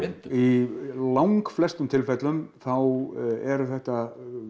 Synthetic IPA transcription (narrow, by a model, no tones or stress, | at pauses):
ilawŋkflɛst̪ʏmt̪ʰɪlfɛt̪lʏmθawɛɾθɛht̪a